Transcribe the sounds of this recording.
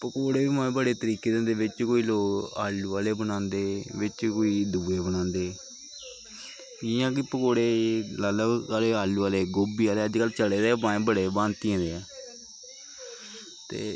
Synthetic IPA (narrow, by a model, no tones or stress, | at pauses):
pəkoːɽeːbiːmãːẽːbəɽeːt̪əɾiːkeːd̪ẽnd̪eːʋɪt͡ʃkoːiːloːkaːluːaːleːbənãːnd̪eːʋɪt͡ʃkoːiːd̪uːeːbənãːnd̪eː | ɪjãːkɪpəkoːɽeːlaləkaleːaːluːaːleːɡoːbiːaːleːəd͡ʒkəlːt͡ʃəɽeːd̪eːmãːẽbəɽeːbãːnt̪iə̃ːd̪eːɛː | t̪ḛː